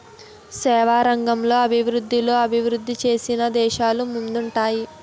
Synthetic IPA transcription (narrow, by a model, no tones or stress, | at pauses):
sɛːʋaːɾɐŋɡɐmlo̞ːɐbʱiʋɾud̪ːilo̞ːɐbʱiʋɾud̪ːit͡ʃe̞ːsinɐd̪ɛːʃaːlumund̪uɳʈaːji